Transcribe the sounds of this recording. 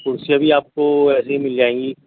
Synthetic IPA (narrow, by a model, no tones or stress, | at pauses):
kʊɾsijabʱiaːp̚koɛːs̬eɦimɪld͡ʒaːẽːŋɡi